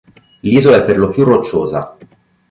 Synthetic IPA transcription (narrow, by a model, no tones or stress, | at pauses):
liːzoɛpːerlopjurːot͡ʃːoːza̰